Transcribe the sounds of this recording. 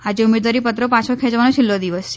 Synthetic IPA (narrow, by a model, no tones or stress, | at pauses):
ad͡ʒeumed̪ʋaɾipət̪ɾəpãt͡ʃʰokʰɛ̃d͡ʒʋanot͡ʃʰɪlːod̪iʋəst͡ʃʰe